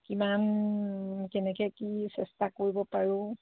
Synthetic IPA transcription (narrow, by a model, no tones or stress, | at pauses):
kiman | kɛnɛkɛkisɛstakoɹibɔpaɹʊ̃